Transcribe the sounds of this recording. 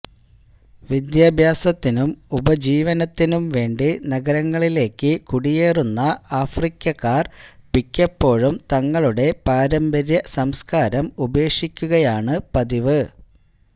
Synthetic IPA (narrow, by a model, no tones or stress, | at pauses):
ʋid̪jaːbʱjaːsɐt̪ːinumubɐd͡ʑiːʋɐnɐt̪ːinumʋe̞ːɳɖinɐɡɐɾɐŋːɐɭile̞ːkːɨkuɽije̞ːrunːɐaːfrikʲːɐkːaːrpikʲːɐpːo̞ːɻumt̪ɐŋːɐɭuɽe̞paːɾɐmbɐɾjɐsɐmskaːɾɐmube̞ːʂikʲːuɣɐjaːɳɨpɐðiʋɨ